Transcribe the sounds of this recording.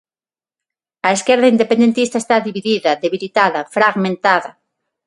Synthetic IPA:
ɐeskɛɾðɐind̪epend̪ent̪ist̪aɐest̪aðiβiðiðɐðeβilit̪aðɐfɾaɣmẽnt̪aðɐ

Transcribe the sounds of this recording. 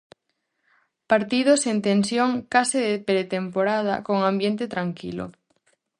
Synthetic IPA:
paɾt̪ið̞osent̪ẽnsjoŋkasɪðepɾet̪empoɾað̞a̰koŋãmbjent̪et̪ɾaŋkḭlo̰

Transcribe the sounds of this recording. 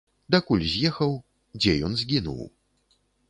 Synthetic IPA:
d̪ɐkulʲzʲjɛxɐw | d͡zʲɛjɔnzʲɡʲinṵw

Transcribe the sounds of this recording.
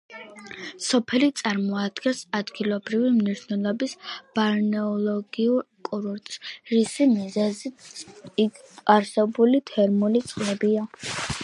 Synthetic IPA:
sɔpʰɛlit̪sʼaɾmɔad̪̥ɡɛnsad̪ɡilˠɔbɾivimniʃnɛlˠɔbisb̥aɾnɛɔlˠɔɡiuɾ | kʼuɾuɾt̪ʼsɾisimizɛzi | aɾsɛbulit̪ʰɛɾmulit̪sʼqʼlɛbia

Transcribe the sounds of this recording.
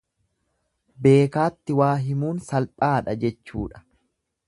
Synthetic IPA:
be̞ːkaːt̪ːɪwaːɦɪmuːnsɐlpʼaːᶑɐd͡ʒɛt͡ʃːṵːᶑɐ̥

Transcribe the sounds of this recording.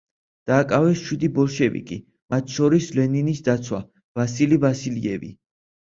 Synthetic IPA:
d̪̥aːkʼavɛsʃwid̪ibɔlˠʃɛvḭkʼi | mat̪ʰʃɔɾislɛninisd̪at̪sʰwa̰ | vasilivasiliɛ̰vḭ

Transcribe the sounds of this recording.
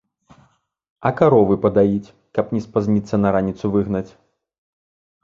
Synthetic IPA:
ɐkaɾɔvɨpɐd̪ajit͡sʲ | kɐpnʲɛspazʲnʲit̪sːɐnɐɾanʲit̪suvɨɣnɐt͡sʲ

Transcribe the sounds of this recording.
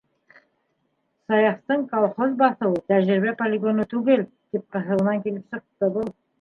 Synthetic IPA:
sɑjɑqt̪əɴkʰolˠχo̞zbɑθuwət̪ʰæʒɾɪbepʰolʲeɡo̞nət̪ʰuɡʲe̞ld̪̥e̞p̚qʰɑɦəlˠənɑŋkʲʰe̞lɪpʃəq̚t̪əbʊlˠ

